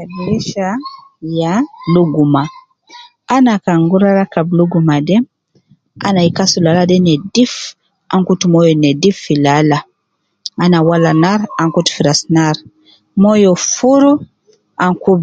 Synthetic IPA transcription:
abiɾiʃa | jaluɡuma | ʔanakaŋɡuɾaɾakabluɡumadɛ | ʔa̰naikasulaladɛnɛdif | ʔaŋkutumɔjɔnɛdifːilala | anawalanaɾaŋkutu̥fiɾasnaɾ | mɔjɔfuɾu | ʔaŋkub

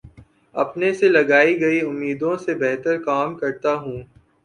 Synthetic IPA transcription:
ɐ̰pneselɐɡaːiɡɐiʊmːiːd̪õsebɛɦt̪əɾkaːmkɐɾt̪aɦũː

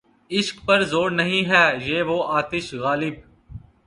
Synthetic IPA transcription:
ɪʃkpɐɾzoːɽnɐɦĩɦɛːjeːʋoːʔaːt̪ɪʃɣaːlɪb̚

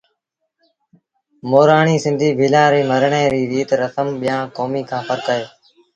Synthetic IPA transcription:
moːɾaːɳiːsɪ̃nd̪ʱiːbʱɪlãːɾeːməɾɳẽːɾiːɾiːt̪ɾəsəmɓɪjãːkoːmiːkʰãːfəɾkəːeː

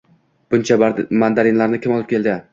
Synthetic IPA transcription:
b̥ʊnt͡ʃʰamand̪aɾɪnlaɾnɪkʲʰɪmɒlˠɪp̚kʲʰe̞lˠd̪ɪ

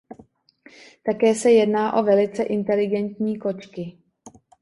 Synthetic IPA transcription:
t̪akɛːsɛjɛdnaːʔo̞vɛlɪt͡sɛʔɪnt̪ɛlɪɡɛnt̪ɲiːko̞t͡ʃkɪ

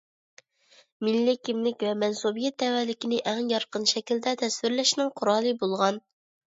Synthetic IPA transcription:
mɪlːɪkʲimlɪkʲvɛmɛnsubijɛt̪̚d̪ɛwɛlɪkʲinɪʔɛŋjɑɾqənʃɛkʲild̪ɛt̪ʰɛswɪɾlɛʃnɪŋqʰʊɾɑːlˠɨbolˠʁɑn

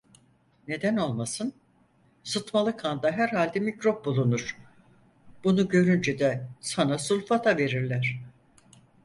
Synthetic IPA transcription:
ne̞d̪æno̞lˠmasɯn | sɯt̪malˠɯkʰand̪aɦæɾhalʲd̪ɛmicɾop̚bulˠunuɾ̥ | b̥unuɟø̞ɾynd͡ʒɛd̪ɛsanasulʲfat̪ʰave̞ɾiɾlʲæɾ̝̥

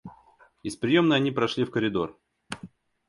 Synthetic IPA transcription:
ɪspɾʲɪjo̞mnəjɐnʲipɾɐʂlʲifkəɾʲɪd̪o̞r

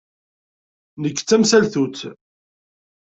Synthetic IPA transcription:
nəkːt͡sːæmsælθut͡s̪

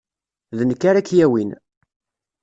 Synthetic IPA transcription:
ðənəkːaɾækːjæwin

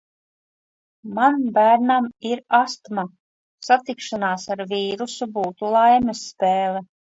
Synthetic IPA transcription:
manbæːɾnamiɾast̪ma | sat̪ikʃanaːsaɾviːɾusubuːt̪ulˠajmɛsːpeːlɛ

